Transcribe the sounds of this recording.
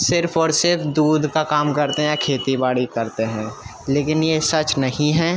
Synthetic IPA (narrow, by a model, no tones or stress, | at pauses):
sɪɾfʰɔːɾsɪɾfʰd̪uːd̪ʱkakaːmkɐɾt̪eɦɛ̃j̃kʰeːt̪ibaːɽikɐɾt̪eɦɛ̃ː | leːkɪnjesɐt͡ʃnɐɦĩɦɛː